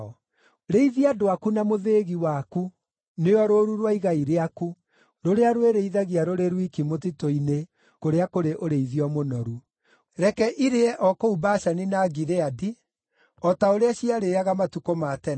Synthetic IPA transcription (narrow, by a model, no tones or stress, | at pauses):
ɔ | ɾeiðiadoakunamoðeɣiwaku | neɔɾoːɾuɾwaiɣaiɾeaku | ɾoɾeaɾweɾeiðaɣiaɾoɾeɾwikimot̬itoine | koɾeakoɾeʔoɾeiðiɔmonɔɾu | ɾɛkɛʔiɾeɛʔɔkoubaʃaninaɡiɾeadi | ɔtaoɾeaɕiaɾeaɣamatukomatɛ